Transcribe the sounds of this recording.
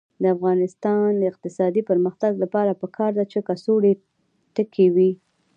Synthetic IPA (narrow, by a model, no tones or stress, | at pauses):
d̪əafɣɑnɪst̪ɑnd̪əɪq̚t̪ɪsɑd̪ipəɾməxt̪aɡlapɑɾapəkʰɑɾd̪at͡ʃekasoɽe | t̪əkʰewi